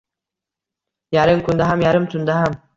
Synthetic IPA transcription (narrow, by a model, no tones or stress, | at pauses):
jaɾɨŋkund̪aɦamjaɾɨmt̪ʰund̪aɦam